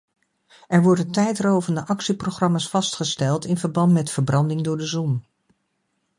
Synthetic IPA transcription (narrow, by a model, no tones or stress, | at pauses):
ɛɹʋɔɹdəntɛjtrowvəndəʔɑksiproχrɑmaːsfɑstχəstɛlˠtɪnvəɹbɑntmɛtfəɹbrɑndɪŋdʊːɹdəzɔn